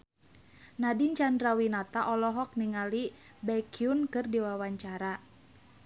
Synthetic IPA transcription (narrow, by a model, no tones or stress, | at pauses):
nadiɲt͡ʃandɾawinat̪aʔɔlɔɦɔk̚niŋali | bɛkiunkɨrdiwawaɲt͡ʃaɾa